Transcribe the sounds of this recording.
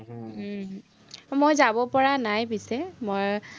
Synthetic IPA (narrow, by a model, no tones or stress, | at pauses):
mojzabɔpɔɹanajpisɛmoj